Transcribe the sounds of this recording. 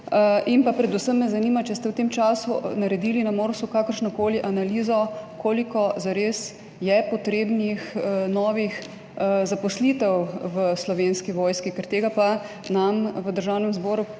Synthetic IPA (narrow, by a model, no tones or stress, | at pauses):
inpapɾɛd̪usəmːɛzaniːmat͡ʃɛst̪ɛwt̪eːmt͡ʃaːsunaɾɛd̪iːlinamoːɾskukaːkəɾʃnɔkoːliʔanaliːzɔkoːlikɔzaɾeːs | jɛpɔt̪ɾeːbnixnɔːʋix | zapɔslit̪ɛwʋəslɔʋeːnskiʋɔːjskikɛɾt̪eːɡapa | namʋəd̪əɾʒawnɛmzbɔːɾu